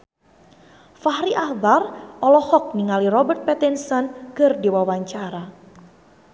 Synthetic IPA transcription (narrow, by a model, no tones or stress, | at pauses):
fahɾiʔahbarʔɔlɔhɔk̚niŋalirɔbərt̪̚pɛt̪insɔnkərdiwawaɲt͡ʃaɾa